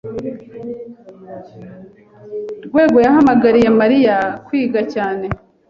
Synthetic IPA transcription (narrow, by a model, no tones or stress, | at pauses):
ɾɡwe̞ːɡo̞jahamaɡaɾije̞maɾijakwiːɡacaːne̞